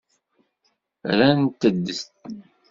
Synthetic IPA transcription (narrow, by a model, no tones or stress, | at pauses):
ɾænt̪ːəd̪ːəst̪̚